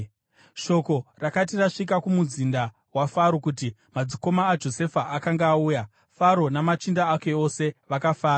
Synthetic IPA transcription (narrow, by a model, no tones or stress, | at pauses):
ʃo̞ko̞rakat̬iraʂik̬akumuzinda | wafaɾo̞kuti | mad͡ziko̞maːd͡ʒo̞se̞faʔakaŋɡaːuːja | faɾo̞namat͡ʃindaake̞ose̞ʋakafaːɾa